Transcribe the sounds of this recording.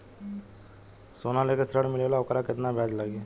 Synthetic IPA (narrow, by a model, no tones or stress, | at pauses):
soːnalekesɾəɽmɪleʋalaʊkəɾakɪt̪nabʱɛːd͡ʒləɡe